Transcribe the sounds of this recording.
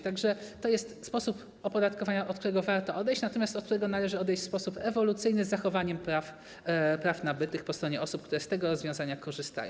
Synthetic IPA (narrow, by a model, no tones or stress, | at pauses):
t̪aɡʐɛt̪ɔjɛst̪spɔsup | ɔpɔd̪at̪kɔvaɲaʔɔt̪̚k̚t̪uɾɛɡɔvaɾt̪ɔʔɔd̪ɛjɕt͡ɕnat̪ɔmʲjast̪ɔt̪̚kt̪uɾɛɡɔnalɛʐɘɔd̪ɛjt͡ɕʲfspɔsupɛvɔlut̪sɘjnɘzːaxɔvaɲɛmpɾaf | pɾafnabɘt̪ɘxpɔst̪ɾɔɲɛɔsup̚kt̪uɾɛst̪ɛɡɔɾɔzvʲjɔ̃w̃zaɲakɔʐɘst̪a̰jɔ̃w